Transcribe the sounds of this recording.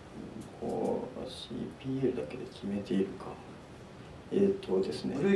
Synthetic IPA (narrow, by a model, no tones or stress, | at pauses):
kʰo̰ːɕḭːpʲiːeɾɯ̟d̪ake̞d̪e̞kʲime̞t̪e̞iɾɯ̟kʰa | et̪ʰod̪e̞sɨnḛ